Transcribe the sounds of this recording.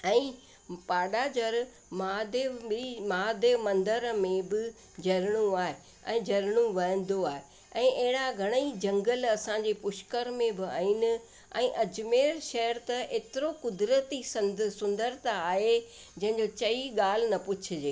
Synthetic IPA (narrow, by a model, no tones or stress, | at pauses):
ɛ̃ː | paːɖad͡ʑɐɾ | maːd̪emaːd̪emɐ̃nd̪əɾmẽbɪ | d͡ʑɐɾɪɽ̃ũaːɦe | ɛ̃ːd͡ʑɐɾɽ̃ũʋɐ̃ə̃n̆d̪oaːɦe | ɛ̃ːʔɐɦɪɽaɡʱɐɽ̃əid͡ʑɐ̃ŋɡəlɐsãɲd͡ʑeːpʊʃkəɾmẽbɪa̰ːiːnɪ̆ | ɛ̰̃ːʔɐd͡ʑmeːɾʃɐɦəɾt̪ɐʔeːt̪ɪɾokʊd̪ɾət̪isɐ̃nsʊ̃nd̪əɾt̪aaːɦe | d͡ʑɐ̃ɦɪ̃ɲ̆d͡ʑot͡ɕɐiɠaːl̤ɪnɐpʊt͡ɕʰɪ̆d͡ʑeː